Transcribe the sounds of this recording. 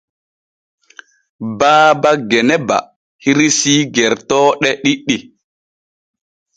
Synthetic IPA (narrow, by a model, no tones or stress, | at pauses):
baːbaɡɛnɛba̰ | hiɾisiːɡɛɾtɔːɗɛɗiɗːi